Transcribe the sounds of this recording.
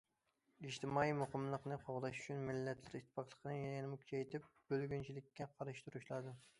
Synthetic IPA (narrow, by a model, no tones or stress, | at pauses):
iʃt̪ɪmɑːimoqəmlˠəqnɨqʰoʁlˠɑʃy̥t͡ʃʰynmɪlːɛt̪lɪɾit̪ʰːɪ̥fɑqlˠə̥qʰənɨjjɛnɪmukʲʰy̥t͡ʃʰɛjt̪ɪp̚b̥ølɡʲynt͡ʃʰilɪkʲːɛqʰɑɾɨʃt̪uɾuʃlˠɑd̪ɨ